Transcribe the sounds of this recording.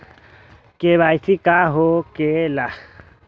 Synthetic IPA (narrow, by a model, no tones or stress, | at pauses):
keβajsikaɦokela